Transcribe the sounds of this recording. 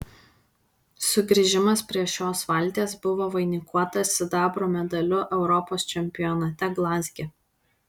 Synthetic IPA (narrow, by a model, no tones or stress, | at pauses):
sʊɡɾʲɪʒʲɪmɐspʲɾʲiɛʃʲoːsʋɐlʲˑt̪ʲeːsbʊʋoːʋɐɪnʲɪkʰuɔt̪ɐsʲɪd̪ɑːbɾoːmʲɛd̪ɐlʲʊʔɛʊɾɔpoːst͡ʃʲɛmʲpʲɪjɔnɐt̪ʲɛɡlˠɑːzʲɡʲe